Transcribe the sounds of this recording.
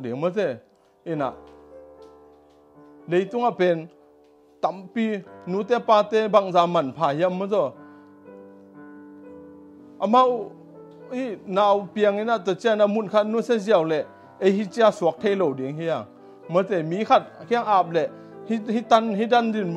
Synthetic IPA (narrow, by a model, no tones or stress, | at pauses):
diŋmɔzɛ | ʔina̰ʔ | lejt̪uŋapɛn | t̪ampinut̪ɛpaːt̪ɛbaŋzaːmanpʰaːhiamɔzɔ | ʔama | hinaːwpiəŋinat̪ɔt͡sianamunkʰat̚nusɛziəwlɛʔ | ʔejɦit͡siasuk̚t̪ʰejlowdiŋhia | mɔt͡sɛmiːkʰat̚kʰiŋʔap̚lɛʔ | hihit̪anɦidandin